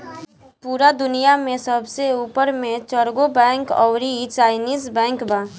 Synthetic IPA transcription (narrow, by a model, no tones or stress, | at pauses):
puːɾad̪ʊnijamẽsəbʱseuːpəɾmẽt͡ʃəɾɡobɛ̃ːŋkɔ̰ʊɾit͡ʃaːɪniːzbɛ̃ːŋkbaː